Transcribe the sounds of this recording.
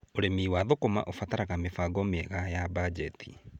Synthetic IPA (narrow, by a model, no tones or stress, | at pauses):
oɾemiːwaðokoma̰ʔofataɾaɣamefaɡɔmeɛɣajabad͡ʒɛtʰi